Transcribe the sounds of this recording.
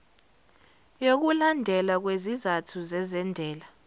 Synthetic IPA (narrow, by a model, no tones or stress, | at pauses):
jok̬ulandʱɛlak̬wezizatʰuzɛzɛndʱɛːla